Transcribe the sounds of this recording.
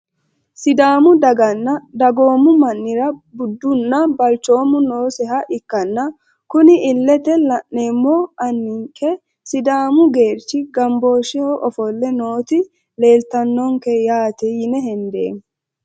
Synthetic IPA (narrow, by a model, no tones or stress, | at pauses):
sɪd̪aːmʊd̪ɐɡɐnːɐd̪ɐɡo̞ːmʊmɐnːɪɾɐbʊd̪ːʊnːɐbɐlt͡ʃːo̞ːmːʊnoːsɛɦɐʔɪkːɐnːɐ | kʊnɪʔɪlːɛt̪ɛlɐʔeːmːɔʔɐnːɪŋkʰɛ | sɪd̪aːmʊɡe̞ːɾt͡ʃːɪɡɐmbo̞ːʃɪhɔʔɔfɔlːɛno̞ːt̪ɪ | le̞ːlt̪ɐnːɔŋkɛjaːt̪ɛjɪnɛɦɛnd̪ḛːm